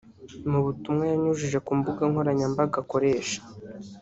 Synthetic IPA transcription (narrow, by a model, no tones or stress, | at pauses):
muβutumŋajaɲuʒiʒe̞kuːmbuɡaŋho̞ɾaɲambaɡako̞ɾe̞ːʃḁ